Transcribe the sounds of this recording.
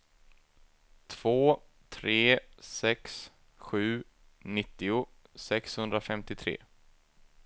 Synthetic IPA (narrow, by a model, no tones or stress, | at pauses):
t̪ʰv̥oː | t̪ʰɾeːsɛks | ɧʉ̟ː | nɪt̪ːɪʊ | sɛkshɵnd̪ɾafɛmt̪ɪt̪ʰɾḛː